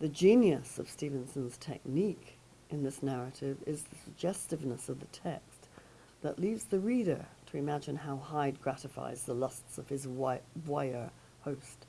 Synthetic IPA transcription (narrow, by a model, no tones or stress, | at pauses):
ðɨd͡ʒĩnjɨsʌ̰v̥stivɨ̃nsə̃nz̥tʰɛ̰k̚nik | ʔɨ̃nðɪsnæɹɨɾɪvɪzðɨsəɡ̚d͡ʒɛstɨvnəsʌvðɨtʰɛkst | ðəʔlivzðɨɹiɾə̰˞ɾʰɨɨmæd͡ʒɨ̃nɦaʊhaɪd̚ɡɹæɾɨfa̰ɪzðəlʌstsʌv̥ɨzwaɪə˞ | hoʊst